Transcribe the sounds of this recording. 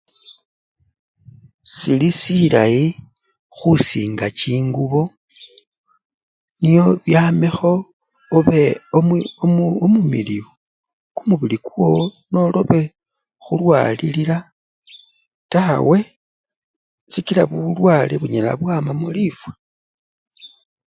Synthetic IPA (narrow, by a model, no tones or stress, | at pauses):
silisilai | xusiːŋɡat͡ʃiːŋɡuβo̞ | nijo̞βjaːmexo̞ː | βeomoomumiliwo | kumuβilikuo̞no̞lo̞βe̞ | xulwa̰ːlilila | tawe̞ | sikilaβuulwaːleβuɲela̰βwaːmamulifwe